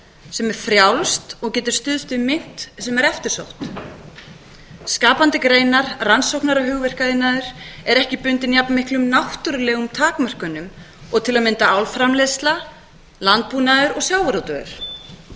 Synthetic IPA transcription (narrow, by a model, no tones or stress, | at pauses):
sɛmɛɾ̥fɾjawlst̪ɔɣcɛːt̪ɪɾ̥st̪ʏðst̪ʏmɪn̥t̪sɛmɛɾɛft̪ɪɾ̥so̰wht̪ | skaːpant̪ɪkɾeːjnaɾransowknaɾaɦʏɣvɪr̥kaðɪnːaðʏɾ̥ɛɾɛhcɪpʏnt̪ɪnjapnmɪhklʏmnawht̪ʏɾlɛɣʏmt̪ʰaːkmar̥kʏnːʏm | ɔɣt̪ʰɪlaðmɪnt̪aawlfɾamleðst̪la | lant̪̚puːnaðʏɾɔɣsjawvaɾowt̪œɣʏ̰ɾ̥